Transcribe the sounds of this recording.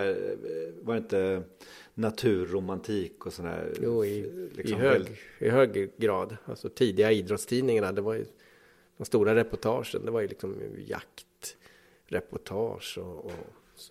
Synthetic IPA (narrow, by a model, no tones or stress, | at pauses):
vaɾɪnt̪ə | nat̪ʰʉ̟ːɾʊmant̪ʰiːkɔsɔnd̪æ̰ːɾjuːɪlʔɪ̰sɪɦøːɪɦøːɡɡɾɑːd̪alsɔt̪ʰiːd̪ɪɡaiːd̪ɾɔt̪st̪ʰiːnɪŋanad̪ɛvaɾjə̰ | d̪̥ɔmst̪uːɾaɾɛpɔʈʰɑːʂə̰nd̪ɛvaɾjəɵlɪksɔm̰ja̰kt̪ | ɾɛpɔʈʰɑːʂɔɔ